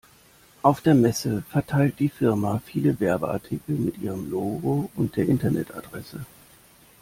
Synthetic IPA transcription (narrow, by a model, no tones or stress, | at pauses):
ʔaʊfd̥eːɐmɛsəfɛɐtʰaɪlt̚d̥iːfɪɐmafiːləvɛɐbəʔa̰ɐtʰikl̩mɪtʔḭːʁ̞əmloːɡoʊnt̚d̥eːɐʔɪntɐnɛ̰tʰa̰dʁɛsə